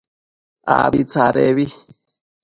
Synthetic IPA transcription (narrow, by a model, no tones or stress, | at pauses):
a̰βit͡saɾeβi